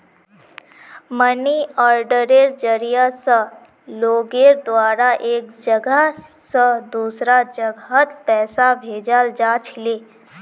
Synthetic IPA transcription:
məniɔːɾɖəɾeɾd͡ʒəɾijasə | loːɡeɾd̪waːɾaʔeːk̚d͡ʒəɡəsəd̪uːsɾad͡ʒəɡɦət̪pɛːsabʱeːd͡ʒald͡ʒaːt͡ʃʰleː

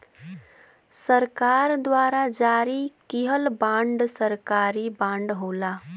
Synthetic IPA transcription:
səɾkaːɾd̪waːɾad͡ʒaːɾikiɦəlbãːɳɖsəɾkaːɾibãːɳɖɦoːlaː

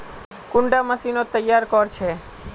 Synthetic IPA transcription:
kʊɳɖaməsinot̪əjːaɾkɔɾt͡ʃʰe

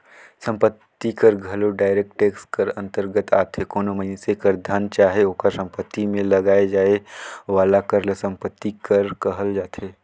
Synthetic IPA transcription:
sə̃mpət̪ːikəɾɡʱɐloɖaːɪɾeːk̚ʈeːkskəɾɐ̃nt̪əɾɡət̪a̰ːt̪ʰekoːnoməɦɪnesekəɾd̪ʱant͡ʃaːɦeoːkəɾsə̃mpət̪ːimẽlɐɡaːed͡ʒaːeʋaːlakəɾlesə̃mpət̪ːikəɾkɐɦəld͡ʒaːt̪ʰeː

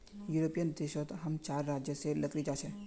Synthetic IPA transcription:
juːɾopijənd̪eːʃot̪ɦɐmt͡ʃaːɾːaːd͡ʒjəselɐkɾid͡ʒaːʃẽ

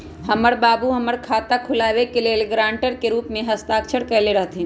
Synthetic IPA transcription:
həməɽbaːbuɦəməɽkʰaːt̪akʰʊlaːʋekelelɡɾãːɳʈəɾkeɾuːpmẽɦɐst̪aːkt͡ʃʰəɽkɐleɾɐɦt̪ʰĩ

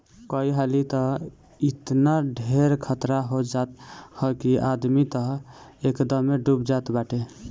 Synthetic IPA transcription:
kɔiɦalit̪ə | it̪naɖʱeɾkʰət̪ɾaɦod͡ʒat̪hɔkiʔad̪mit̪əɦekd̪əmːeɖubd͡ʒat̪baʈe

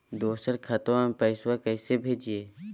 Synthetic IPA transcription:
d̪oːsəɾkʰɐt̪õpəɪswakəɪsebʱeːd͡ʒieː

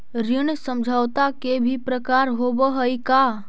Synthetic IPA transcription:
ɾɪɳsə̃md͡ʒʱawt̪akebʱipɾəkaːɾɦobəɦəika

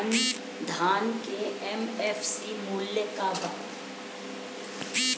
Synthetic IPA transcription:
n | d̪ʱaːnkeɛmɛːfsimuːljəkaːbaː

